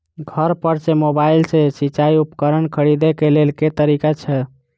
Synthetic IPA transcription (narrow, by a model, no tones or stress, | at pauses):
ɡʱəɾpəɾt͡ʃemobailsesit͡ʃaiupkəɾənkʰəɽid̪ekelelket̪əɾikat͡ʃʰɛ